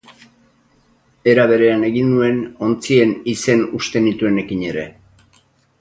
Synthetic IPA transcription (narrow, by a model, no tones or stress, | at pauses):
e̞ɾaβe̞ɾe̞ane̞ɣindue̞no̞nt͡sie̞nise̞nust̪e̞nit̪ue̞ne̞kiɲe̞ɾe̞̰